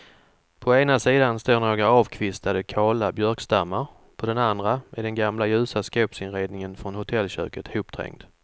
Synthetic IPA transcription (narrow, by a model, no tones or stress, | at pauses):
pʰɔeːnasiːd̪anst̪oːɳoːɡɾaɑːvkʰvɪst̪ad̪əkʰɑːlabjœɾkst̪amːaɾ | pʰɔd̪ɛnand̪ɾaɪɖɛnɡamlajʉ̟ːsaskopsɪnɾeːd̪nɪŋənfɾɔnhʊt̪ʰɛlːɕœ̰ːkət̪huːpt̪ʰɾɛ̰ŋt̪